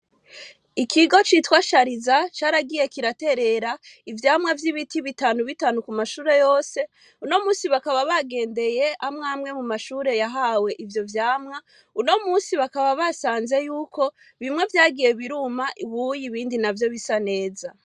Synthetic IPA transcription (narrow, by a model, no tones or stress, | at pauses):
ikʰiɡo̞t͡ʃitwaːʃaɾizat͡ʃaːɾaɡije̞kiɾate̞ɾe̞ɾaivjaːmŋavjiβitʰiβitaːnuβitaːnukumaʃuːɾe̞jo̞ːse̞ | uno̞muːsiβakaβaβaɡe̞ːnde̞je̞amŋaːmŋe̞mumaʃuːɾe̞jaɦawe̞ʔivjo̞vjaːmŋa | uno̞muːsiβakaβaβasaːnze̞juːkʰo̞ | βimŋe̞vjaːɡije̞βiɾumaʔiβujiβiːndinavjo̞βisane̞ːza